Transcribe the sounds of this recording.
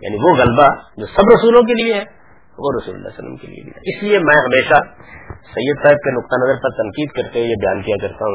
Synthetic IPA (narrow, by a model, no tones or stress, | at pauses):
ja̰ːniʋoɣɐlbad͡ʒoːsɐbɾɐsuːlõk̬elieɦɛ | ʋoɾɐsṵːl̰lːa̰sɐlːə̰mkḛlḭḛbḭɛɪsliemɛ̃ːɦɐmeːʃasɐjːəd̪saːɦɪb̚kenʊq̚t̪anɐzəɾpɐɾt̪ɐ̃ŋqiːd̪kɐɾt̪eɦejabɐjaːnkijakɐɾt̪aɦũ